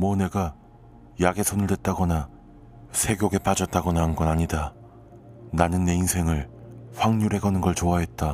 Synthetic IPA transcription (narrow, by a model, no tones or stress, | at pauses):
mʌne̞ɡa | jaɡe̞sʰonɯɭdwe̞t̚t͈aɡʌna | sʰe̞ɡjoɡe̞p͈ad͡ʑʌt̚t͈aɡʌnanɡʌnaɲida | nanɯnːe̞insʰe̞ŋɯɭɸwaŋɲuɾe̞ɡanɯnɡʌɭt͡ɕoaɦe̞t̚t͈a